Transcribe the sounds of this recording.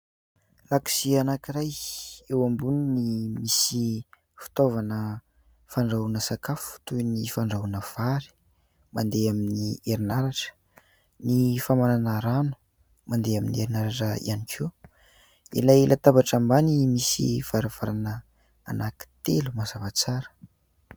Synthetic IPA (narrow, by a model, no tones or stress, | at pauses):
laksianakiɾajewambuninimisi | fi̥t̪ovanə | faɳɖ͡ʐaunəsakafu̥t̪unifaɳɖ͡ʐaunəv̥aɾi̥ | mand̪eaminieɾinaɾaʈ͡ʂə̥ | nifamananəɾanu̥ | mand̪eaminieɾinaɾaʈ͡ʂəḭanikʰew | ḭlajlʔat̪abaʈ͡ʂambanimisḭv̥aɾav̥aɾanə̰ː | naki̥t̪elumazavat͡saɾə̥